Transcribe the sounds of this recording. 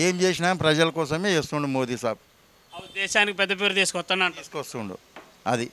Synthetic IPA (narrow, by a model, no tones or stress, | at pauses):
eːmt͡ʃeːs̬inaːmpɾɐd͡ʒɐlɐkɔːs̬ɐmeːist̪uɳɖumo̞ːd̪iːsaːbu | d̪ɛːʃaːnikip̬ɛd̪ːɐp̬eːɾut̪iːskɔst̪ːɐnːaɳʈ̪ːskost̪uɳɖṵ | ɐd̪i